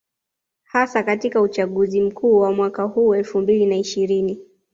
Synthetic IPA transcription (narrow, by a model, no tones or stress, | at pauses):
hasakatikaut͡ʃaɠuzim̩kʰuːwamwakahuːɛlfumbilinaiʃiɾini